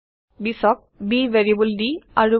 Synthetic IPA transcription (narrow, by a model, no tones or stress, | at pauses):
bisɔk̚biʋeɹiebuldiaɹu